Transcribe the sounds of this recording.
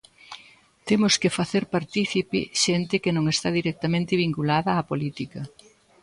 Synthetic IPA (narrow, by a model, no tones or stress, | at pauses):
t̪emʊskɪfaθeɾpaɾt̪iθipɪ̰ʃent̪ɪkɪnõŋest̪aðiɾɛk̚t̪ɐmẽnt̪ɪβiŋkulaðɐːpolit̪ikɐ